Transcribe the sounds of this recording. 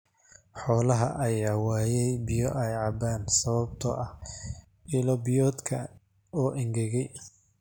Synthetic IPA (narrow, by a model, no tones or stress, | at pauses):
ħɔːlɐɦɐ̰ʔɐjaːwɑːjɛjbɪjɔʔajʕɑbaːnsɐβɐb̚t̪ʰɔ̰ʔɐh | ɪlɔbɪjɔːd̪kʰɐ̰ | ɔːʔɪŋɡɛɣɛj